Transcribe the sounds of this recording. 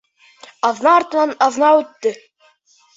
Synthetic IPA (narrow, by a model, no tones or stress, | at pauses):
ɑðnɑːɾt̪ɤ̆nɑnɑðnɑʉt̪ːɘ